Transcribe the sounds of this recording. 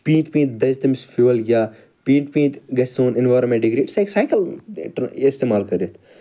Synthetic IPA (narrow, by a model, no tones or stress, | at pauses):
pĩːnt̪pĩːt̪̚d̪ɐzt̪ɐmsfuːʋɐljʲaː | pĩːt̪pĩːt̪ɡɐsoːnɪnʋaːɾmẽɳʈɖiɡɾiːʈsɐksaːjkɐlʈist̪eːmaːlkɐɾjɐt̪ʰ